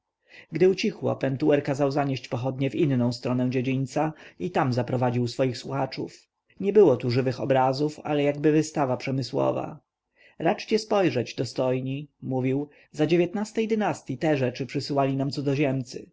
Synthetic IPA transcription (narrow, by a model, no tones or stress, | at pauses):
ɡd̪ɘut͡ɕixwɔ̰pɛnt̪uwɛɾkazawzaɲeɕt͡ɕpɔxɔd̪ɲɛvinnɔ̃w̃st̪ɾɔnɛ̃w̃d͡ʑed͡ʑiɲʲt̪sait̪amzapɾɔvad͡ʑiwsfɔjixswuxat͡ʂṵf | ɲɛbɘwɔt̪uʐɘvɘxɔbɾazufa̰lɛjaɡbɘvɘst̪avapʂɛmɘswɔ̰va̰ | ɾat͡ʂt͡ɕɛspɔjʐɛd͡ʑd̪ɔst̪ɔjɲimuvʲiw | zad͡ʑevjɛt̪nast̪ɛjd̪ɘnast̪ʲjit̪ɛʐɛt͡ʂɘpʂɘsɘwalʲinamt̪sud̪ɔʑɛmt̪sɘ̰